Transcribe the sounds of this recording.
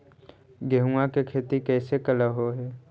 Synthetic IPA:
ɡeɦuakekʰeːt̪ikɛːsekələɦoɦɛː

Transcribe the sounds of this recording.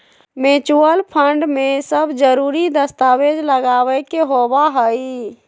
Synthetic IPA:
met͡ʃuəlpʰəɳɖmesəbd͡ʒəɾuːɾid̪əst̪awed͡ʒləɡaːwɛkeɦobaɦəi

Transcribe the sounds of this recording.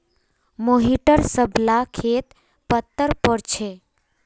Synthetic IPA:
moɦiʈəɾsəblakʰet̪ | pət̪ːəɾpəɽt͡ʃʰe

